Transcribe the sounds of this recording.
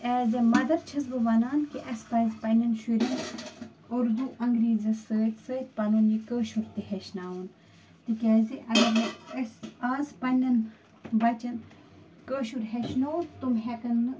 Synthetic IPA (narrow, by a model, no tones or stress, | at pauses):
ɛːzɐmɐd̪ɐɾt͡ʃʰɐzbɨʋɐnaːnkiʔɐspɐzpɐnʲɐnʃuɾin | uɾd̪uʔɐŋɡɾiːzɐsəːt̪ʲsəːt̪̚ʲpɐnuːnjikəːʃuɾt̪iheʃnaːun | t̪ikʲɛːziʔɐɡɐɾnɐsaːzpɐnʲɐn | ʋɐt͡ʃɐn | kəːʃuɾɦeʃnoːt̪umɦɛkɐnɨ